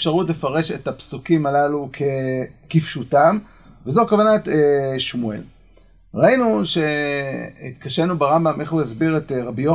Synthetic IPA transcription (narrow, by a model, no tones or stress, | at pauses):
fʃaʁutle̞faʁe̞ʃe̞tapsukimalalukʰe̞kifʃutam | vezokavanateʃmuḛl | ʁainuʃe̞ | kaʃenubeʁambamʔe̞χhuezbiʁetʁabijo